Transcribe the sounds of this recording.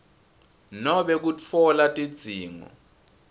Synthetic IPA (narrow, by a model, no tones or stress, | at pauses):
nɔɓɛk̬ut͡fʰɔlatʼid̥d͡z̥ʱiːŋɔ̰